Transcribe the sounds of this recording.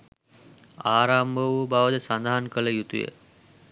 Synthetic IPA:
aːɾambəʋubaʋəd̪əsand̪aɦankələjut̪ujə̰

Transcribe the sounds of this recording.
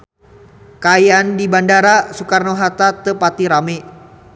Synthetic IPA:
kajandibandaɾasukarnoɦat̪at̪əpat̪iɾame

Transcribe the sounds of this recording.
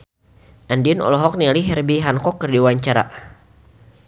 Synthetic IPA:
ʔandiʊnɔ̰lɔɦɔk̚niliɦɛrbiɦankɔkːərdiwaɲt͡ʃaɾa̰

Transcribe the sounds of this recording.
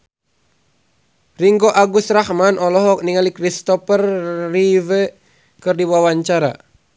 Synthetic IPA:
riŋɡɔʔaɡust̪rahmanʔɔlɔɦɔk̚niŋalikɾist̪ɔpərːivə | kɨrdiwawaɲt͡ʃaɾa̰

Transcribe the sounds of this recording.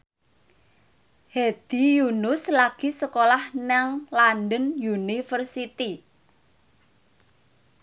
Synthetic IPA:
hed̪̥i̤junʊslaɡ̥i̤səkolahnaŋlandənjunifərsit̪i

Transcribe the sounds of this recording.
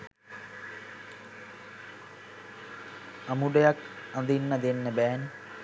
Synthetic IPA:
ɐmuɖejɐkɐnd̪inːɐd̪enːɐbɛːn

